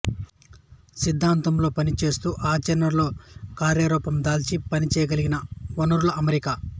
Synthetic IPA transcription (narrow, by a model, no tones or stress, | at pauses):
sid̪ʱːaːnt̪ɐmlo̞ːpɐnit͡ʃe̞ːst̪uːʔaːt͡ʃɐnɐɾlo̞ːkaːɾjaɾɔːpɐmd̪aːlt͡ʃipɐnit͡ʃɛːjɐɡɐliɡinɐʋɐnuɾulɐɐmeɾika